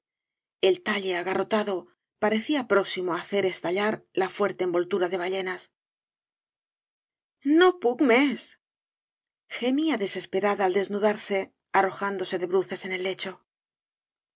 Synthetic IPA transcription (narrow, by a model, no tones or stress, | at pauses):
e̞lt̪aʎe̞aɣaro̞t̪aðo̞ | paɾe̞θiapɾo̞ksimo̞aθe̞ɾe̞st̪aʎaɾlafwe̞ɾt̪e̞ːmbo̞lt̪uɾaðe̞β̞aʎe̞nas | no̞pukmes | xe̞miaðe̞se̞spe̞ɾaðaːld̪e̞znuðaɾse̞ | aro̞xand̪o̞se̞ðe̞βɾuθe̞se̞ne̞lːe̞t͡ʃo̞